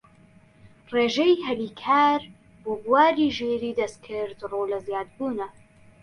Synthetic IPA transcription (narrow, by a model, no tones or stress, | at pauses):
reːʒejɦɐliːkʰaːɾ | boːbuwaːɾiːʒeːɾiːd̪ɐst̪kʰɨɾd̪rolɐzjaːd̪̚buːnɐ